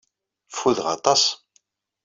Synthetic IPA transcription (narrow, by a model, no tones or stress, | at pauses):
fuðʁɑ̰t̪ˤɑs